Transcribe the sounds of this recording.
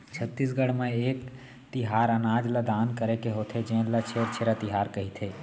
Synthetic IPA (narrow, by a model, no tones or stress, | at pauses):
t͡ʃʰət̪ːis̬ɡəɽmẽeːk | t̪ɪɦaːɾənaːd͡ʒlɐd̪aːnkəɾekeɦoːt̪ʰed͡ʒẽːlɐt͡ʃʰeːɾt͡ʃʰeɾat̪ɪɦaːɾkɐɦit̪ʰeː